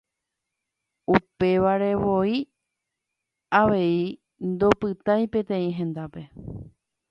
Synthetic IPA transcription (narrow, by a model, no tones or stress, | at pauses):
upe̞ʋaɾe̞ʋo̞i | aʋe̞i | nd̪o̞pɨt̪ajpẽ̞t̪ẽ̞ĩɦẽ̞nd̪ape̞